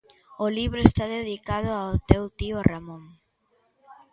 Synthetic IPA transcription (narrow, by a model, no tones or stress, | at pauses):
ʊliβɾʊest̪aðeðikað̞ʊaot̪ewt̪iʊramõŋ